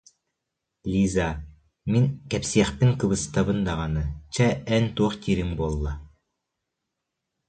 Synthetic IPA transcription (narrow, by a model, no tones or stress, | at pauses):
lʲiza | miŋkɛpsiɛχpiŋkɯβɯst̪aβɯnd̪aʁɑnɯt͡ɕɛɛnt̪uːχt̪ʲiːɾiŋbulˠːa